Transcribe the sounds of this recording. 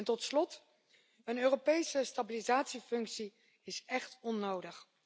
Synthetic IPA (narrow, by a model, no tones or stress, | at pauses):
ntɔtslɔt | ənøːropejsəstabilizaːtsifɵŋksi | ɪsɛχtɔnːowdəχ